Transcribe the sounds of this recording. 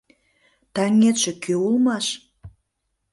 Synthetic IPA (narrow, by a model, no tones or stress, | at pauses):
t̪ɑŋet̪ʃĕkʰøulmɑʃ